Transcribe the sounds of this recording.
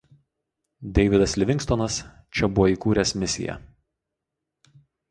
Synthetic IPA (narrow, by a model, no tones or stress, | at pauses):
d̪ʲɛɪʋʲɪd̪ɐslʲɪʋʲɪŋʲkst̪ɔnɐs | t͡ʃʲɛbʊʋɔiːˑkuːɾʲɛːsmʲɪsʲɪ̰jɛ̰